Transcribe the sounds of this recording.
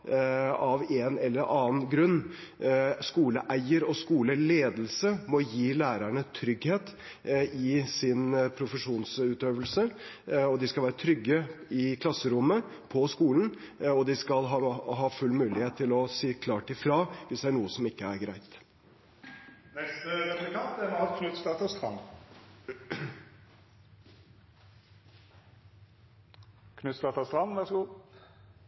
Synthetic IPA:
ɑʋeːnɛlːəɾʔɑːnɡɾʉnː | skuːləʔæɪəɾɔskuːləleːd̪lsəmɔjiːlæːɾæɳət̪ʰɾʏɡheːt̪ | ɪsɪnpʰɾʊfəʂuːnsʉːt̪øːʋəlsəɔd̪ɪskɑlʋæːɾət̪ʰɾʏɡːəɪkʰlɑsːəɾʊmːə | pʰɔskuːlən̩ɔd̪ɪskɑlɦɑɦɑːfʉlːmʉːlɪheːt̪ʰːɪlɔsiːkʰlɑːʈɪfɾɑːʋɪsd̪ɛæɳuːəsɔmɪkːəæɾɡɾæɪt̪ | nɛst̪əɾɛt̪əkʰɑnt̪ɛnɑʋkʰnʉt̪st̪ɑt̪ɑst̪ʁɑn | kʰnʉt̪st̪ɑt̪ɑst̪ʁɑnʋæsɡuː

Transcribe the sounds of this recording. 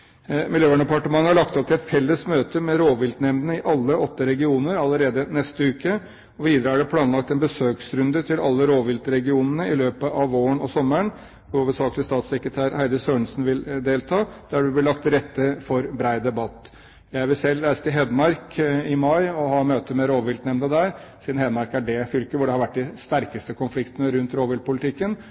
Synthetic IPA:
mɪljøːʋæɳəd̪ɛpɑʈəmɑŋəhɑɭɑkt̪ɔp̪̚ʰɪɛt̪fɛlːəsmøːt̪əmɛɾoːʋɪlt̪nɛmnənəɪʔɑlːəɔt̪ːəɾɛɡɪuːnəɾɑlːəɾeːd̪ənɛst̪əʉːkə | ɔʋiːd̪ɾəæɖɛpʰlɑːnlɑk̚t̪ɛnbəsøːksɾʉnd̪ət̪ʰɪlɑ̰lːəɾoːʋɪlt̪ɾɛɡɪuːnənəɪløːpəʔɑʋoːəɳɔsɔmːəɳ | ʋʊuːʋəsɑːklɪəst̪ɑːt̪sɛkɾət̪ʰæːɾhæɪd̪əsøːɳsnʋɪld̪eːlt̪ʰɑːd̪̥æɖʉblɪlɑkt̪ɾɛt̪ːəfɔɾbɾæɪd̪ɛbɑt̪ː | jæɪʋɪlsɛlːɾæɪsə̥t̪ɪlɦɛd̪mɑɾkɪmɑɪɔhɑːnmøːt̪əmɛɾoːʋɪlnɛmnəd̪æɾsiːd̪n̩hɛːd̪mɑɾkæɖɛfʏlkəʋʊɖɛhɑɾʋæʈ̚ːɖɪst̪æɾkəst̪əkʰʊnflɪkt̪ənəɾʉnt̪ɾoːʋɪlt̪̚pʰʊlɪt̪ʰɪkːən

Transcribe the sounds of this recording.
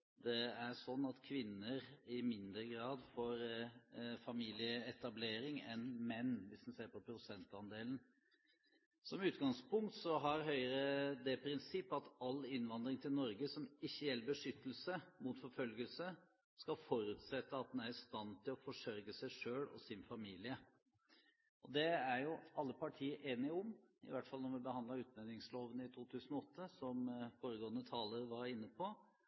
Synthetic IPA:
d̪ɛæɾʂɔnːɑt̪kʰʋɪnːəɾɪmɪnd̪ɾəɡɾɑːd̪foːɾ | fɑmiːlɪəɛt̪ɑbleːɾɪŋɛ̰nmɛnːʋɪsd̪n̩seːɾpʰɔpʰɾʊsɛnt̪ɑnd̪eːln̩ | sɔmʉːt̪ɡɑŋspʊŋkt̪sɔɦɑɾɦœʏəɾəd̪ɛpʰɾɪnsɪpːɑt̪ɑlːɪnʋɑnd̪ɾɪŋt̪ʰɪlnɔɾɡəsɔmɪçːəjɛlːəbəʂʏt̪ːəlsəmʊt̪fɔɾfœlɡəlsə | skɑfɔɾʉt̪sɛt̪ːəɑt̪̚d̪ɛnæɾɪst̪ɑnt̪ʰɪlɔfɔʂœɾɡəsæɪʂøːlɔ̰sɪnfɑmiːlɪə | ʔɔd̪ɛæɾjʊɑlːəpɑʈʰiːəɾʔeːnɪʊmɪ̰ʋæʈfɑlnɔɾʋɪbəhɑnd̪lɑʉːt̪næd̪nɪŋsloːʋənɪt̪ʰuːt̪ʰʉːsənɔɔt̪ːəsɔmfoːɾəɡoːənət̪ʰɑːləɾʋɑɾɪnːəpʰɔ

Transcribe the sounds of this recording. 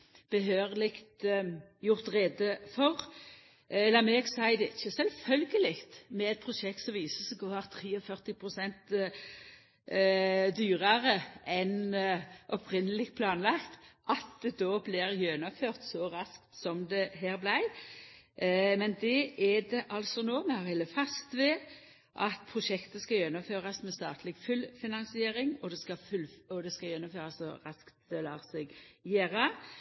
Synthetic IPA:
b̥əɦøːʁlɪkt̪jʊʁt̪ʁeːd̪əfɔʁ | ɛlːəmɛːɡsæɪd̪ɛɪt͡ʃːəsɛlfœlɡəlɪkt̪mɛɛt̪̚pʰʁʊʃɛk̚t̪sɔmʋiːsəsɡoːɑʁt̪ʰʁiːɔfœʁt̪ɪpʰʁʊsɛnt̪ | d̪yːʁɑʁəʔɛnʔɔpʰɾɪnəlɪk̚t̪̚pʰlɑːnlɑkt̪ʔɑt̪̚d̪ɛd̪oːblɪʁjønʊføːʁt̪sɔɾɑskt̪sɔmd̪ɛɦæːɾblæɪ | mɛnd̪ɛʔɛd̪ɛʔɑlsɔnoːmɛhɑʁhɛlːəfɑst̪ʋɛ | ʔɑt̪̚pʰʁʊʃɛkt̪əskɑjɛnːʊmføːʁɑsmɛst̪ɑːt̪ʰlɪɡfʉlfɪnɑnsɪeːɾɪŋɔd̪ɛskɑfʉlɔd̪ɛskɑjɛnːʊmføːʁɑsɔ̰ʁɑskt̪d̪̥ɛlɑːʁsɛɡjeːɾɑ

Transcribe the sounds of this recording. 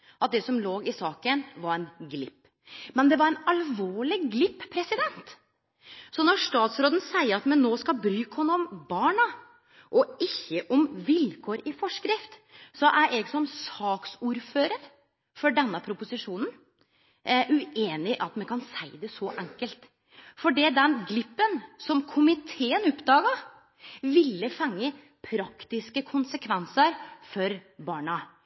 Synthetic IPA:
ʔɑt̪̚d̪ɛsɔmloːɡɪsɑːkənʋɑɾɛnɡlɪpː | mɛnd̪ɛʋɑɾɛnɑlʋoːɭɪɡlɪpːpʰːɾɛsɪd̪ɛnt̪ | sɔnɔʂt̪ɑːt̪sɾoːd̪ən̩sæɪəɾɑt̪mɛnnoːskɑlbɾyːkhɔnːəɔmbɑːɳɑ | ʔɔɪçːəʔɔmʋɪlkʰoːɾɪfɔʂkɾɪft̪sɔʔæɾʔɛːɡsɔmsɑːksuːɾføːɾəɾ | fɔɖɛnːəpʰɾʊpʊsɪʂuːnn̩ | ʔʉeːnɪʔɑt̪mɛnkʰɑnsæɪd̪ɛsɔʔæŋkəlt̪ | fɔɖid̪ɛnɡlɪpːənsɔmkʰʊmɪt̪ʰeːənʊpd̪ɑːɡɑ | ʋɪlːəfɛŋːə | pʰɾɑkt̪ɪskəkʰʊnsəkʰʋɛnsəɾfɔɾbɑːɳɑ

